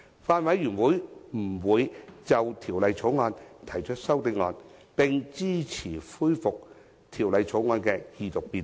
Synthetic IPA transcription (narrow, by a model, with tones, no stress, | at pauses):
faː˧nwɐ˨˥jːyː˨˩nwuː˨˥jm̩˨˩wuː˨˧jt͡sɐ˨wt̪ʰiː˨˩wlɐ˨˧jt͡sʰo˨˥wŋɔː˧nt̪ʰɐ˨˩jt͡ʃʰɵ˥t̚sɐ˥wt̪ɪ˧˥ŋɔ̰ː˧npɪ˨˧ŋt͡siː˥t͡sʰiː˨˩fuː˥jfʊ˨k̚ | t̪ʰiː˨˩wlɐ˨˧jt͡sʰo˨˥wŋɔː˧nkɛː˧jiː˧˩t̪ʊ˨k̚piː˨˧n